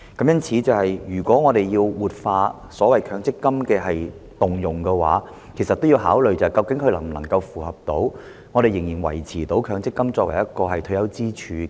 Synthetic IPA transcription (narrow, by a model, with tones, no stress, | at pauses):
kɐ˨˥mjɐ˥nt͡sʰiː˨˥t͡sɐ˨whɐ˨jjyː˨˩kʷɔː˨˥ŋɔː˨˧ɾe˨jjiː˧wwuː˨t̚faː˧ | sɔː˨˥wɐ˨jkʰœː˨˧˥ŋt͡sɪ˥kːɐ˥mkɛː˧ɦɐ˨j | t̪ʊ˨ŋjʊ˨ŋkɛː˧wa̰ː˨˥ | kʰe˨˩jsɐ˨t̪ːo˥wjiː˧wɦaː˨˥wlɵ˨ɥt͡sɐ˨jkɐ˧wkɪ˨˥ŋkʰɵ˧ɥlɐ˨˩ŋ˨nɐ̰˨˩ŋkɐ˧wfuː˨hɐ˨p̚t̪o˨˥w | ŋɔː˨˧ɾe˨jɪ˨˩ŋjiː˨˩nwɐ̰˨˩jt͡sʰiː˨˩t̪o˨˥wkʰœː˧ŋt͡sɪ˥kːɐ˥mt͡sɔː˧kwɐ˨˩jɐ˥t̚kɔː˧hɐ˨jt̪ʰɵ˧˥jɐ˨˥wt͡siː˥t͡ʃʰyː˨˧